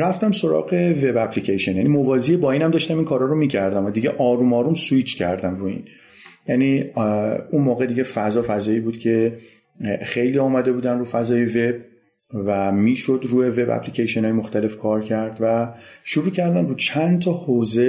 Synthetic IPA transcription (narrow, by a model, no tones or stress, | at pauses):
ɾæft̪æmso̞ɾɒ̰ːɢe̞ve̞bæpʰlicʰejʃonjænimovɒːziebɒːiːnæmd̪ɒːʃt̪æmiːnkʰɒːɾɒːɾomiːcʰæɾd̪æmɒd̪iɟeʔɒːɾuːmɒːɾumsuit͡ʃʰcʰæ̰ɾd̪æmruḭːn | jæni | unmoːɣed̪iɟe̞fæzɒːfæzɒːiːbuːd̪̥cʰe̞ | xejliːɒːmæd̪e̞buːd̪ænɾuːfæzɒːje̞ve̞b̥̚ | væmiːʃo̞d̪ɾuːeve̞bæ̰pʰlicʰejʃonɒːjemo̞xt̪æle̞fkʰɒːɾcʰæɾd̪væʃuɾuːcʰæɾd̪æmruːt͡ʃʰænt̪ʰɒːhoːze̞